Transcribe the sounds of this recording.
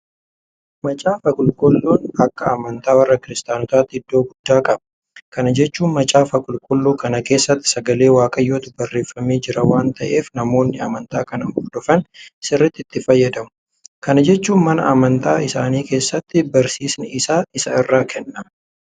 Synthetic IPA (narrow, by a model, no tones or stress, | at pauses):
mɐt͡ʃʼaːfɐkʼʊlkʼɔlːoːnɐkːɐɐmɐnt̪aːwɐrːɐkɪɾɪst̪ʼaːnɔt̪aːt̪ːɪɪd̪ːoːɡʊd̪ːaːkʼɐbɐ | kɐnɐd͡ʒɛt͡ʃːuːnmɐt͡ʃʼaːfɐkʼʊlkʼɔlːoːkɐnɐke̞ːsːɐt̪ːɪ̥sɐɡɐle̞ːwaːkʼɐjːoːt̪ɪbɐrːe̞ːfːɐme̞ːd͡ʒɪɾɐwaːnt̪ɐʔe̞ːfnɐmo̞ːnːɪɐmɐnt̪aːkɐnɐnbʊd̪ɔfɐnɪsɪrːɐt̪ːɪt̪ːɪfɐjːɐd̪ɐmʊ̥ | kɐnɐd͡ʒɛt͡ʃːuːnmɐnɐ̰ʔɐmɐnt̪a̰ːɪsaːniːke̞ːsːɐt̪ːɪbɐɾsiːsnɪɪsaːɪsɐɪrːaːkʰɛnːɐ